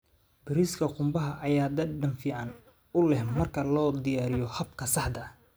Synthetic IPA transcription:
bɪɾiskʰɐqʊmbɐɦɐʔɐjaːd̪ɐɖɐmfɪʕan | ʊlɛhmɐrkʰɐlɔːd̪ɪjaːɾɪjɔhɐbkʰɐsɑħd̪ɐ

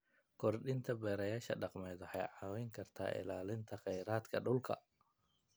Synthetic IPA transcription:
kʰɔrɖɪnt̪ʰɐbɛːɾɐjaːʃɐ̰ɖɑqmɛːd̪ɔħɑ̰jʕɑːwɛjŋkʰɐrt̪ʰa̰ːʔɪ̰laːlɪnt̪ʰɐχɛjɾaːd̪kʰɐ̰ɖʊlkʰɐ̰

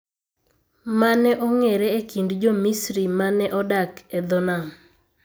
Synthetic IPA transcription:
manɛʔɔŋeɾɛekindd͡ʒomisɾimanɛʔɔdaked̪ɔnam

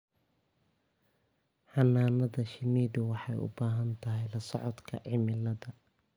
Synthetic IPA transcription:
ħɑnːaːnɐðɐʃɪniːðʊwɑħɑjʊ̰baːɦɐnt̪ʰɐɦɛjlɐsɔʕɔd̪kʰɐ̰ʕɪmɪlɐðɐ

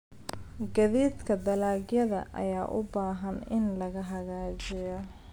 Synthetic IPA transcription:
ɡɐðiːd̪kʰɐd̪ɐlaːɡjɐðɐ̰ʔɐ̰jaːʔʊbaːɦɐnɪnlɐɣɐɦɐɣaːd͡ʒɪjɔ

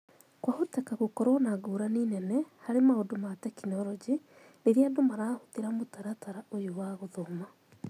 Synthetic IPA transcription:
kwahotɛkaɣokɔɾwɔnaɡoɾaniːnɛnɛhaɾemaodomatɛkinɔɾɔd͡ʒi | neɾiadomaɾaːhotiɾamotaɾataɾaojowaɣoðoma

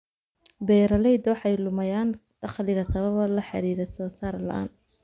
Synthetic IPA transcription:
bɛːɾɐlɛjd̪ɔːħɛjlʊmɐjaːnd̪̥ɑχlɪɣɐsɐβɐβɐlɐħɑ̰ɾiːɾɛsɔːsaːrlɐ̰ʔa̰ːn

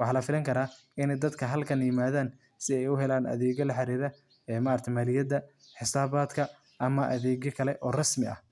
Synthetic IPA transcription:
wɑħɑːlɐfɪlɐŋkʰɐɾaː | ɪnɛjd̪ɐd̪kʰɐɦɐlkʰɐnjɪmaːðaːn | sɪɛjʊɦɛlaːnʔɐ̰ðɛːɣɐlɐħɑɾiːɾɐ | ɛːmɐɐɾt̪ʰɐjmaːlɪjɐd̪ɐ | ħɪsaːβaːd̪kʰɐ | ʔɐmɐʔɐ̰ðɛːɣjɐkʰɐlɛʔɔːrɐsmɪɐ̰

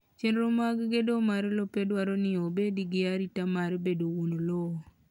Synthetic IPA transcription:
t͡ʃendɾomaɡɡedomaɾlopedwaɾonɪobediɡɪaɾitamaɾbedounolo

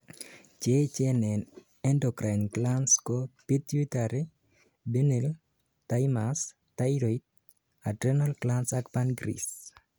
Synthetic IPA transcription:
t͡ʃet͡ʃɛnɛn | ɛndɔkɾanklanskɔpit̪it̪aɾi | benel | tajmas | tajɾɔit̚ | adɾɛnalklansakpanɡɾḭs

